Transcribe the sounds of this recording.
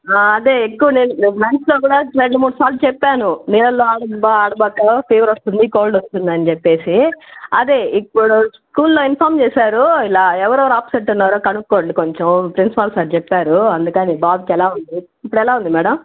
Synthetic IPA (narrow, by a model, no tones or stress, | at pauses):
aːɐd̪eːekːuʋɐneːnuʋansloːɡuːɽaːɾeɳɖumuːɽusaːɾlut͡ʃɛpːaːnuniːlɐlːoːaːɽɐbaːɽɐbɐːkɐpʰeːʋɐɾost̪und̪ikoːlɖost̪und̪ɐnit͡ʃepːe̞ːsiɐ̰d̪eːipːuɽuskuːlːoːinpʰaːɾmt͡ʃɛːsaːɾuilaːɛʋɐɾɔʋɐɾaːpɐ̥seʈːunːaːɾoːkɐnukːoːɳɖiko̞ɲt͡ʃɐmpɾinsi̥pɐlsaːɾt͡ʃɛpːaːɾuɐnd̪ukɐnibaːbikɛlaːund̪i | ipːuɽɛlaːund̪imɛːɽɐm